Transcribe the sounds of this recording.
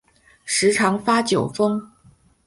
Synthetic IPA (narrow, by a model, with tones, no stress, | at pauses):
ʂɻ̩˧˥ʈ͡ʂʰɑ˧˥ŋfa˥t͡ɕjo˨˩ʊfɤ˥ŋ